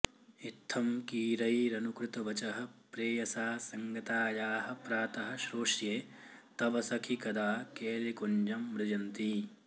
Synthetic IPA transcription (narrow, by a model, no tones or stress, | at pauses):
it̪ʰːɐmkiːɾɐjɾɐnukɾɪt̪ɐʋɐt͡ʃɐɦɐ̆pɾeːjɐsaːsɐŋɡɐt̪aːjaːɦɐ̆pɾaːt̪ɐɦɐ̆ʃɾoːʂjeːt̪ɐʋɐsɐkʰikɐd̪aːkeːlikoɲd͡ʒɐmːɾɪd͡ʒɐnt̪i